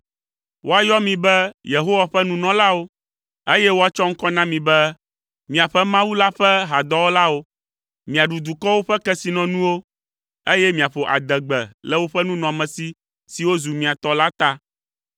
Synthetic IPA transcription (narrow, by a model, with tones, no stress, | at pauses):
wo˦a˨jɔ˦mĩ˨bɛ˦je˨ɦo˦wa˨ɸɛ˦nũ˦nɔ̃˨la˦wo˦ | e˦jɛ˦wo˦a˨t͡ʃɔ˦ŋ̩˦kɔ˦nã˦mĩ˨bɛ˦ | mĩ˨a˨ɸɛ˦mã˦wu˦la˦ɸɛ˦ɦa˨d̪ɔ˦wo˦la˦wo˦ | mĩ˨a˨ɖu˨d̪u˨kɔ˦wo˦ɸɛ˦kɛ˦si˨nɔ̃˨nũ˦wo˦ | e˦jɛ˦mĩ˨a˨ɸo˨ʔa̰˨d̪ɛ˨ɡ͡bɛ˨lɛ˦˨wo˦ɸɛ˦nũ˦nɔ̃˨mɛ̃˨si˦ | si˨wo˦zu˨mĩ˨a˨t̪ɔ˦la˦t̪a˦